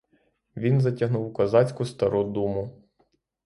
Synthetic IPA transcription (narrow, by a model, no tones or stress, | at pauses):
ʋʲinzɐtʲɐɦnuwukɐzɑt͡sʲkʊst̪ɐɾud̪umʊ